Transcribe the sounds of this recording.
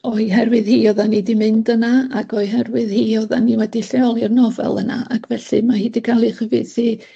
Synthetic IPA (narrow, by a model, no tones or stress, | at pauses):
ɔɨɦɛrwɨðhiːɔðanidimɨndənaaɡɔɨɦɛrwɨðhiːɔða̰niwɛdiɬɛɔlˠirnɔvɛ̰lˠə̰na̰ʔakʰvɛɬɨmahiːdikʰalˠiχəvɨdsi